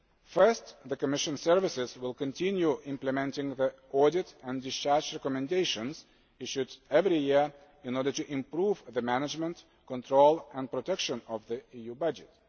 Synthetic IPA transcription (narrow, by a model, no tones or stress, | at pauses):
fɜ˞st̪ðəkəmɪʃə̃nsɜɹvɪsɪzwɪlˠkə̃ntʰɪ̃njuʔɪ̃mplɨmɛ̃ntɪ̃ŋði | ɔɹdɪtæ̃ndɪst͡ʃɑɹd͡ʒɹɛkɔmɨ̃ndeɪʃə̃nz̥ | ɪʃudɛvɹijɪɹ | ɪ̃nɔɹdə˞tɨʔɪ̃mpɹuvðɨmænɪd͡ʒmə̃nt | kə̃ntʰɹoʊlˠə̃npɹotʰɛkʃə̃nɔvðiijubʌd͡ʒɨt